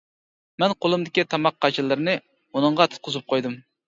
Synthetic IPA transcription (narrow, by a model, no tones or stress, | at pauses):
mɛnqʰolˠumd̪ɪkʲit̪ʰɑmɑqʰːɑt͡ʃʰilˠːɨɾnɨ | unɨŋʁɑt̪ʰu̥t̪̚qʊzɨp̚qʰojd̪ɨm